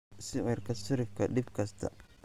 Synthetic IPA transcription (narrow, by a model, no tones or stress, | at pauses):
sɪwɛɾkɐsʊɾɪfkɐɗɪbkɐst̪ʰɐ̰